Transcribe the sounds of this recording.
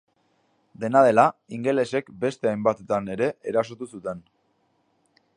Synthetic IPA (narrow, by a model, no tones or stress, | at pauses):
d̪e̞nað̞e̞laiŋɡe̞le̞se̞kbe̞st̪e̞ajmbat̪et̪ane̞ɾe̞ːɾaso̞t̪usut̪e̞n